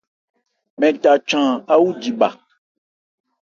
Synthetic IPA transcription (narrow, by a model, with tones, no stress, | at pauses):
mɛ̃˨ta˨t͡ʃã˨a˦wu˦d͡ʒi˨ba̰˨